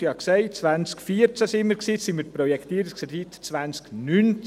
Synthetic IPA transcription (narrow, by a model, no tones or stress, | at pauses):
jɑksɛɪt͡sʋant͡skfiəɾt͡sæsɪməɾksiːsiməɾpɾɔjɛkt̪iəɾiskɛditt͡svant͡sknynt͡s